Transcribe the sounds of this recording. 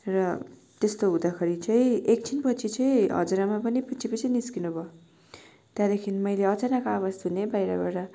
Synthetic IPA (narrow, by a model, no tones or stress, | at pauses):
rʌ | t̪est̪oɦud̪akʰʌɾit͡sʌ̃ĩek̚t͡sʰinpʌt͡sʰit͡sʌĩɦʌ̰d͡zuɾamapʌniput͡sʰipʌt͡sʰʌniskinubʱʌ | t̪jad̪ekʰinimʌjleʌt͡sanakoaβasd̪ʱunebajɾa̰baɾʌ